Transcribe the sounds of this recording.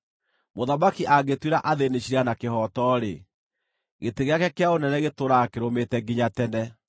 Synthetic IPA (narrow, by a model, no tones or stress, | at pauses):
moðamakiʔaɡetweɾaʔaðeneɕiɾanakeɦɔtɔɾe | ɣeteɣeakɛkeaonɛnɛɣetoɾakeɾometɛɡiɲatɛnɛ